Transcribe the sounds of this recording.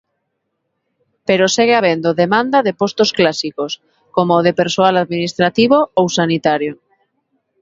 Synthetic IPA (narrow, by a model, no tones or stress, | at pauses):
peɾoseɣeaβend̪oðemãnd̪aðepost̪osklasikos | komoðepeɾsoalaðminist̪ɾat̪iβoowsanit̪aɾjo